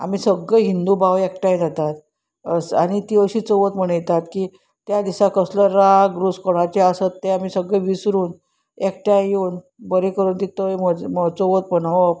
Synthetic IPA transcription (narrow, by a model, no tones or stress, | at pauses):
a̰m̤iːsəɡəɦind̪ubawek̚ʈajd͡zat̪at̪ | əsañit̪iːəɕiːt͡səʋət̪m̤əɽ̃əjt̪at̪ki | t̪jad̪isakəsləɾaɡɾuskoɽ̃at͡ɕeasət̪ːeam̤iːsəɡəʋisɾuːn | ek̚ʈajuːn | bəɾekəɾuːnt̪it̪əjməmət͡soʋət̪̚pəɳ